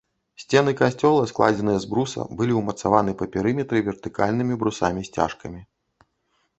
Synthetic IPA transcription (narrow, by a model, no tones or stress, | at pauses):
sʲt͡sʲɛnɨkasʲt͡sʲɔlˠɐsklˠa̰d͡zʲɛnɨjɛzbɾusɐ̰bɨlʲiwmɐt̪savanɨpɐpʲɛɾɨmʲɛt̪ɾɨvʲɛrt̪ɨka̰lʲnɨmʲibɾusamʲisʲt͡sʲa̰ʂkɐmʲi